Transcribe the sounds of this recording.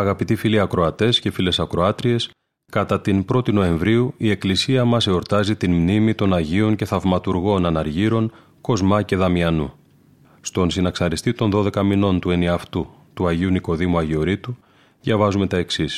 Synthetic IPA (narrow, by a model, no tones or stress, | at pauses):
ɐɣɐpit̪ifiliɐkɾo̞ɐt̪e̞sce̞file̞sɐkɾo̞ɐt̪ɾie̞s | kɐt̪ɐt̪inpɾo̞t̪ino̞e̞ɱvɾiuie̞klisiɐmɐse̞o̞ɾt̪ɐzit̪inmnimit̪o̞nɐʝio̞ɲce̞θɐvmɐt̪uɾɣo̞nɐnɐɾʝiɾo̞n | ko̞zmɐce̞ðɐmiɐnṵ | st̪o̞nsinɐksɐɾist̪it̪o̞nðo̞ðe̞kɐmino̞nt̪ue̞niɐft̪u | t̪uɐʝiuniko̞ðimuɐʝio̞ɾit̪u | ðʝɐvɐzume̞t̪ɐe̞ksis